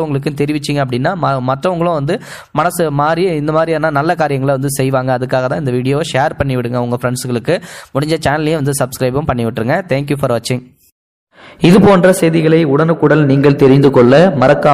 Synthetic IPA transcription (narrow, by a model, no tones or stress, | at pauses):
ʊŋɡɐɭɯk̬ːɯ̃t̪ɛɾɪʋɪt͡ʃːɪŋɡɐpːɐɽɪnːaːmɐmɐʈrɐʊŋɡɐɭʊ̃ʋɐnd̪ɯ | mɐnɐsɯmaːd̪ɾijɪnd̪ɐmaːd̪ɾijanːaːnɐlːɐkaːɾɪjɐŋɡɐɭʋɐnd̪ɯsɛjʋaːŋɡɐːðɯkːaːɣɐt̪ãːɪnd̪ɐʋiːɽɪjoːʂeːɾpɐɳːɪʋɪɽɯŋɡɐʊŋɡɐfɪɾɛɳɖsɯɣɐɭɯkːɯmʊɽɪɲd͡ʒɐt͡ʃaːnɐljẽʋɐnd̪ɯsɐbskɾɐɪpɐmpɐɳːɪʋɪʈːrɾɯŋɡɐt̪ʰeːŋk̬jufɐɾʋɐt͡ʃːɪŋ | ɪðɯpoːndrɐsɛjðɪɣɐɭɐɪʊɽɐnɯkːʊɽɐlniːŋɡɐɭt̪ɛɾɪnd̪ɯkɔɭːɐmɐɾɐkːaː